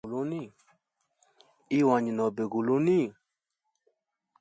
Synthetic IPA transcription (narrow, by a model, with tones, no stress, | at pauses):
lo˦nĩ˦˨ | i˦˨wã˨ɲĩ˨nɔ̃˨be˨ɡu˨lo˦nĩ˦˨